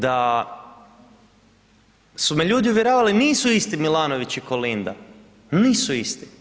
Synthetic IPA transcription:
d̪a | sumeʎuːd̪iuʋjeɾoːʋaliniːsuist̪imilaːnoʋit͡ɕikolind̪a̰ | niːsuist̪i

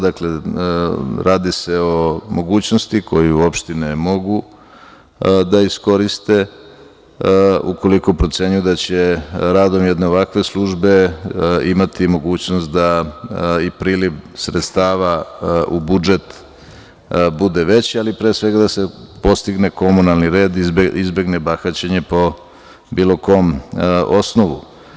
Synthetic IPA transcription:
d̪akle | ɾaːd̪iseomo̞ɡuːt͡ɕnost̪ikʰo̞jiuo̞pʃt̪inemo̞ɡu | d̪aisko̞ɾist̪e̞ | ṵko̞liko̞pɾo̞t̪se̞ɲujud̪at͡ɕeɾaːd̪o̞mjɛd̪neoʋakʋe̞slˠuʒbe̞ | imat̪imo̞ɡuːt͡ɕnost̪̚d̪a | ipɾiːliʋsɾet̪st̪aːʋaubud͡ʒe̞t̪ | bud̪eʋe̞t͡ɕialipɾeːsʋe̞ɡad̪asepo̞st̪iɡne̞ko̞munalniɾe̞ːd̪izbe̞ɡne̞baxat͡ɕeɲe̞po̞ | bilo̞ko̞mo̞snoʋu

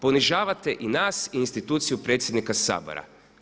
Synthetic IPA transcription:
po̞niʒaːʋat̪eʔinaːsinst̪it̪uːt̪sijupɾet̪sjed̪nikasa̰ːbo̰ɾa̰

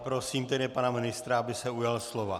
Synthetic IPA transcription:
pɾo̞siːmt̪ɛdɪpanamɪnɪst̪ɾaabɪsɛujalslo̞va

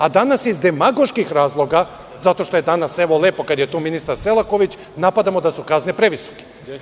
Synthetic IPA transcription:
ad̪anasizd̪emaɡo̞ʃkixɾaːzlˠo̞ɡa | zat̪o̞ʃt̪o̞jed̪anase̞ʋo̞le̞ːpo̞kad̪jet̪uːminist̪aɾse̞lˠako̞ʋit͡ɕ | napad̪amo̞d̪asukaznepɾeʋiso̥ke̥

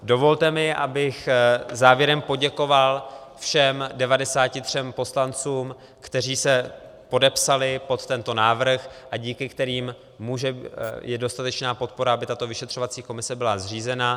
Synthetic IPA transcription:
do̞vo̞lt̪ɛmɪʔa̰bɪxzaːvjɛɾɛmpo̞ɟɛko̞valfʃɛmdɛvadɛsaːcɪt̪r̝̥ɛmpo̞slant͡suːm | kt̪ɛr̝iːsɛ | po̞dɛpsalɪpo̞t̪t̪ɛnt̪o̞naːvr̩xʔaɟiːkɪkt̪ɛɾiːm | muːʒɛjɛdo̞st̪at̪ɛt͡ʃnaːpo̞t̪̚po̞ɾaabɪt̪at̪o̞vɪʃɛt̪r̥o̞vat͡siːko̞mɪsɛbɪlazr̝iːzɛna

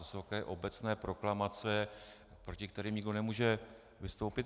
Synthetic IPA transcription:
ɪsokɛːʔo̞bɛt͡snɛːpɾo̞klamat͡sɛ | pɾo̞cɪkt̪ɛɾiːmɲɪɡdo̞nɛmuːʒɛ | vɪst̪o̞wpɪt̪

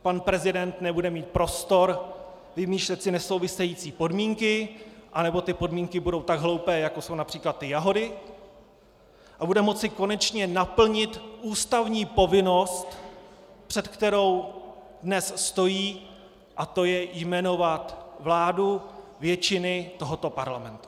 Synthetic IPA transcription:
panpɾɛzɪdɛnt̪nɛbudɛmiːt̪̚pɾo̞st̪o̞ɾ | vɪmiːʃlɛt̪sɪnɛso̞wvɪsɛjiːt͡siːpo̞dmiːŋkɪʔanɛbo̞t̪ɪpo̞dmiːŋkɪbudo̞wt̪aɡɦlo̞wpɛːjako̞so̞wnapr̝̥iːklat̪ːɪjaɦo̞dɪ | ʔabudɛmo̞t͡sɪko̞nɛt͡ʃɲɛnapl̩ɲɪt̪ʔuːst̪avɲiːpo̞vɪno̞st̪ | pr̝̥ɛt̪kt̪ɛɾo̞w | dnɛsst̪o̞jiː | ʔat̪o̞jɛjmɛno̞vat̪vlaːdu | vjɛt͡ʃɪnɪt̪o̞ɦo̞t̪o̞paɾlamɛnt̪u̥

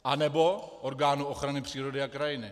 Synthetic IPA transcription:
ʔanɛbo̞ʔoɾɡaːnuʔoxɾanɪpr̝̥iːɾo̞dɪakɾajɪnɪ

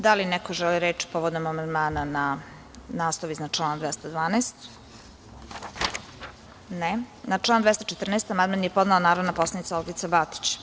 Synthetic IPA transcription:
d̪alinɛkoʒɛliɾeːt͡ʃi̥poʋod̪omamand̪maːnana | naːslˠoʋiznat͡ʂlˠaːnd̪ʋɛst̪ad̪ʋaːnest̪ | nenaʈ͡ʂlˠaːnd̪vɛst̪ot͡ʃet̪r̩neːst̪amad̪manjepo̞znaonaːɾonapo̞slanit̪saolɡit̪sabat̪i̥t͡ɕ

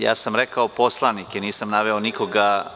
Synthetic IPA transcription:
ja̰ːsamɾekaopo̞slˠanikeniːsamnaʋeoniko̞ɡa

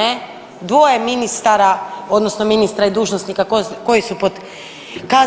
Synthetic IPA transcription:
e | d̪ʋo̞jeminist̪aɾao̞d̪no̞snominist̪ɾaid̪uːʒnosnikakko̞jisupod̪ | ka

